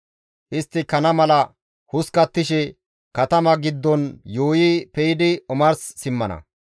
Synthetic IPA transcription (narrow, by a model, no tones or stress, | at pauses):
ʔɪst̪ːɪkɐnɐmɐlɐ | hʊskɐt̪ːɪʃ̬ɛ | kɐt̪ɐmɐɡɪd̪ːɔnjoːjipɛjɪd̪ɪɔmɐɾsːɪmːɐnɐ̰